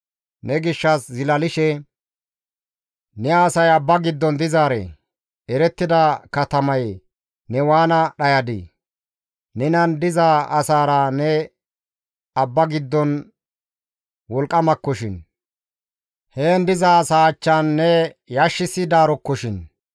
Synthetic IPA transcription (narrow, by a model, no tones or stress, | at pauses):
nɛɡɪʃːɐszɪlɐlɪʃɛ | nɛːsɐjɐbːɐɡɪd̪ːɔnd̪ɪzaːɾɛ̰ | ɛɾɛt̪ːɪd̪ɐkɐt̪ɐmɐj | nɛwaːnɐɗɐjɐd̪ɪ̰ | nɛnɐnd̪ɪzaɐsaːɾɐnɛ | ɐbːɐɡɪd̪ːɔn | wɔlkʼːɐmɐkːɔʃɪn | heːnd̪ɪzaːsaːt͡ʃːanːɛjaʃːɪsɪd̪aːɾɔkːɔʃɪn